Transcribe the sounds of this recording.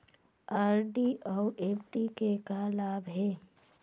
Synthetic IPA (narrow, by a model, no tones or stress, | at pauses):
aːɾɖiʔɔːʔeːpʈikekalaːbɦɛː